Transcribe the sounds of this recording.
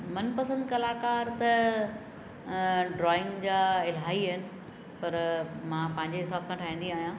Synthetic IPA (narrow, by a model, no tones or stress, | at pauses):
mɐnpɐsə̃nd̪kɐlaːkaːɾt̪ɐ | ɖɾɔːɪ̃ŋɡd͡ʑaːɪlɦaːiɦɪnɪ̆ | pɐɾmãːpɐ̃ɦɪ̃ɲd͡ʑeɦɪsaːbsãːʈʰaːɦĩːn̆d̪iaːɦijã